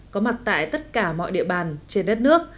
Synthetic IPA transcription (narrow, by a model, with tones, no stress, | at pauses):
kɔ˨˦ma˨˩t̚t̪a̰ː˧˨jt̪ə˦˥t̚kaː˧˩mɔ̰˧˨jɗḭ˧əɓaː˨˩nt͡ɕe˧nɗə˦˥t̚nɨ˦˥ək̚